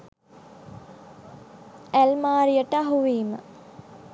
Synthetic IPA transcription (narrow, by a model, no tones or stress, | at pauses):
ælmaːɾijəʈəaɦuʋiːmə